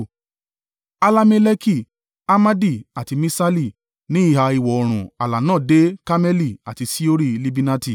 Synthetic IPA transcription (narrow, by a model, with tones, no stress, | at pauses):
a˧la˦me˧lɛ˦ki˦˨ | a˦ma˦di˦˨a˨ti˧mĩ˦sa˦li˦˨ | nĩ˨˦i˦˨ha˧i˨wɔ˨ɔ˧ɾ̃ũ˨a˨la˨nãː˦˨de˦ka˦mɛ˦li˦˨a̰˨ti˧si˦o˦ɾi˦li˧bi˦na˦ti˦˨